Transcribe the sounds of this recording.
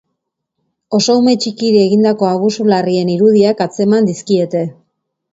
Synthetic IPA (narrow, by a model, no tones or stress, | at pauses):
o̞so̞ume̞t͡ʃikiɾie̞ɣind̪ako̞aɣ̞usularie̞niɾuðiakat͡se̞mand̪iskie̞t̪e̞